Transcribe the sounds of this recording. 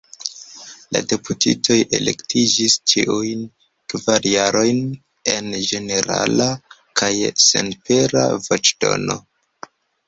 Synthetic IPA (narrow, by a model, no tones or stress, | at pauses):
la̰de̞putʰitʰo̞jʔe̞le̞ktʰid͡ʒist͡ʃiʔujn | kvaɾjaɾo̞jn | e̞nd͡ʒe̞ne̞ɾa̰la | kʰajse̞̰npe̞ɾa̰vo̞t͡ʃd̥o̞̰no̞